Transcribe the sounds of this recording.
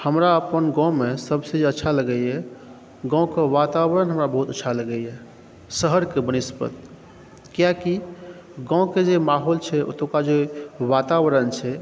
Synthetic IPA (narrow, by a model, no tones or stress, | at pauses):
həmɾaəpənɡãwmesəbsed͡ʒeətːʃʰaləɡɛjɛ | ɡãkeʋat̪aβəɾənɦəmɾabəɦut̪ətːʃʰaləɡɛjɛ | səɦəɾkebənispə̰t̪ | kijaki | ɡãw̃ked͡ʒemaɦolt͡ʃʰɛo̰t̪õkad͡ʒeʋat̪awəɾənt͡ʃʰɛ